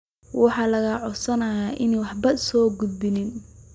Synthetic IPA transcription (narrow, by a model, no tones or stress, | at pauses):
wɑħɑːlɐɣɐʕɔsɐnɐjaːʔɪnɛwɑħbɐsɔːɡʊd̪̚bɪnɪn